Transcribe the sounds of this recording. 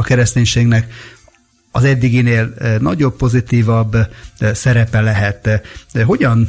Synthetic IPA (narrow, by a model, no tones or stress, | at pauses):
ɒkɛɾɛst̪eːɲʃeːɡnɛk | ɒzɛd̪ːiɡineːlnɒɟo̞ppo̞zit̪iːvɒbːsɛɾɛpɛlɛɦɛt̪ɦo̞ɟɒn